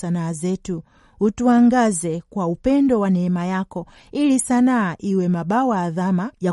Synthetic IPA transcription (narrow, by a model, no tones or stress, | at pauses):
anaːzɛtu | utuaŋɡazɛkwaupɛndɔwanɛɛmajakɔ | ilisanaːʔiwɛmaɓawaːðamaja